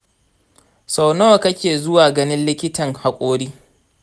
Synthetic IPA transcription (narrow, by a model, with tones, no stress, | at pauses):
sa˨wnoː˦wkɐ˦kʲeː˨zʊ˦waː˨ɡɐ˦nɪ˦nlɪ˦kʲɪ˦tɐ˨ŋha˨kʷʼoː˦ɽiː˦